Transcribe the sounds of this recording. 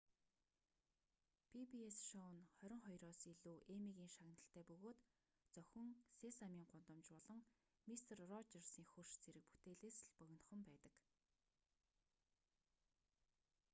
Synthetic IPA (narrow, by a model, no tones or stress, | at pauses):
pipiesʃɔwnχœɾʲɪ̆ŋχɔjrɔːsiɮuːʔemiɣiːŋʃaɣnə̆ɬt̪ʰæːpɵɣoːt̪ | t͡sœxʲɵ̆ŋsesamiːŋɢʊnt̪ɞ̆mt͡ɕpɔɮɞ̆ŋ | mist̪ʰə̆rrɔt͡ɕersiːŋxur̥ʃt͡sʰeɾɘ̆k̚pu̥t̪ʰeːɮeːsɮpœɣ̆ʲnt̪χə̆mpæːt̪ə̆k